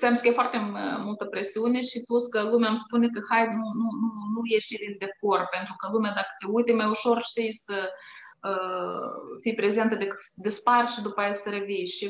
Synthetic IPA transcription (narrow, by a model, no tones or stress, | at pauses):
t͡s̪ɛmskɛfaɾt̪ɛmulˠt̪əpɾɛsiɔniʃit̪uskəlˠumɛamsə̥punɛkəhajnunununukjɛʃid̪ild̪ɛk̚uɾpɛnt̪ɾukəlˠumɛd̪akə̥t̪ɛujt̪ɛmɛuʃɔɾʃt̪ɛisə | θipɾɛzɛnt̪ɛd̪ɛk̪d̪ɛspaɾt͡ʃd̪upaɛsɾɛviʃ